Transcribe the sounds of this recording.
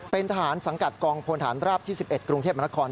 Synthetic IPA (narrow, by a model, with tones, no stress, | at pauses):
pe˧nt̪ʰa˧ɦaː˩˦nsa˩˦ŋka˨˩t̪̚kɔː˧ŋpʰoː˧nt̪ʰaː˩˦nɾaː˥˩p̚t̪ʰiː˥˩si˨˩p̚ʔe˨˩t̪̚kɾu˧ŋt̪̚ʰːma˧n˦˥kʰɔː˧n